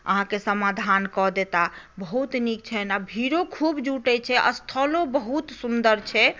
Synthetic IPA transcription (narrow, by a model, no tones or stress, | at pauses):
ə̰ɦãkesəmad̪ʱankɔd̪et̪a | bəɦut̪nik̚t͡ʃʰɛnabʱiɾokʰubd͡ʒuʈɛt͡ʃʰɛʔə̰st̪ʰəlõbəɦut̪sund̪əɾt͡ʃʰɛ